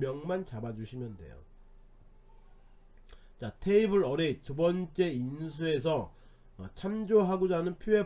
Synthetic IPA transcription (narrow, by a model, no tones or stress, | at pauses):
mjʌŋmant͡ɕabad͡ʑuɕʰimjʌnde̞̰jo̰ | t͡ɕatʰe̞ibɯɾʌɾetubʌnt͡ɕ͈e̞ins̬ʰue̞s̬ʰʌ̰ | t͡ɕʰamd͡ʑoɦaɡod͡ʑanɯnpʰjoe̞